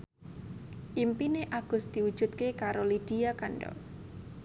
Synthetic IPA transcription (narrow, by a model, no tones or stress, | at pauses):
ʔimpineʔaɡ̥ʊ̤sd̪̥i̤ud̥ʒ̥ṳt̪̚kekaɾolid̥iakaɳɖɔ̰